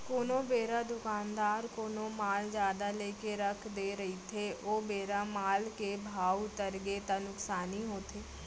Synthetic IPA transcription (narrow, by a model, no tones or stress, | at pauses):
koːnõːbeːɾaːd̪ʊkaːnd̪aːɾkoːnõːmaːld͡ʒjaːd̪aːleːkeɾəkʰd̪eːɾəit̪ʰeːʔoːbeːɾaːmaːlkeːbʱaːut̪əɾɡeːt̪ãːnʊksaːniːɦoːt̪ʰeː